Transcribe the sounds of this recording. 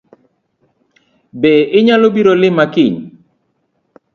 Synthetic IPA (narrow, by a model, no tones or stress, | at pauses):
beʔɪɲalobiɾolɪmakɪɲ